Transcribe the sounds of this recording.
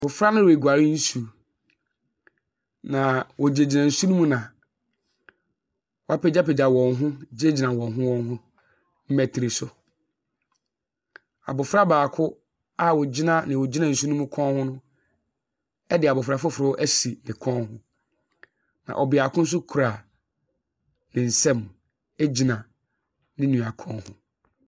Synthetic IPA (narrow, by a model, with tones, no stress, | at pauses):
bʊ˨fɾa˦nʊ̃˦we˨ɡʷa˨ɾɪ˦n̩˦su˨ | nã˨wɔ˨d͡ʑe˨d͡ʑi˨nã˨n̩˨sũ˦nũ˦mũ˦nã˨ | wɔ˨a˦pɛ˨d͡ʑa˦pɛ˨d͡ʑa˨wɔ̃˨nɦʊ̃˦d͡ʑe˦d͡ʑi˨nã˨wɔ̃˨ɦʊ̃˦wɔ̃˦nɦʊ̃˦ | m̩˦mɛ˨tʰi˨ɾi˨sʊ˨ | a̰˨bʊ˨fɾa˦baː˨kʰʊ˦ | a˦wɔ˨d͡ʑi˦nã˦nɪ̃˨wɔ˨d͡ʑi˦nã˦˨n̩˨su˦nʊ̃˦mũ˦kʰɔ̃˦nhʊ̃˦nʊ̃˦ | ɛ˦dɪ˨a˨bʊ˨fɾa˨fʊ˦fɾʊ˦ʔæ˦si˨nɪ̃˨kʰɔ̃˦nɦʊ̃˦ | nã̰˨ʔɔ˨bɪ˨a˨kʰʊ̃˦n̩˦s̬ʊ˦kʰu˨ɾa˨ | nɪ̃˨n̩˨sɛ̃˦m | e˦d͡ʑi˨nã˨ | nɪ̃˦nũ˨a˨kʰɔ̃˦hʊ̰̃˦